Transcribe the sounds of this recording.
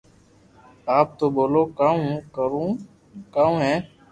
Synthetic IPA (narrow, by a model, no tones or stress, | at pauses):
aːp̚t̪oːboːloːkaũkəɾũ | kãːũɦɛ̃ː